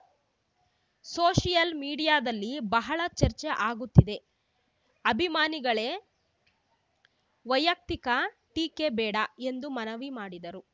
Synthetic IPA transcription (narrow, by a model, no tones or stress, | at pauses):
soːʃijɐlmiːɽijaːd̪ɐlːibɐɦɐɭɐt͡ʃɐɾt͡ʃeʔaːɡut̪ːid̪e̞ | ɐbʱimaːniɡɐɭe̞ː | ʋɐjɐk̚t̪ikɐ | ʈiːkebɛːɽɐe̞nd̪umɐnɐʋimaːɽid̪ɐɾu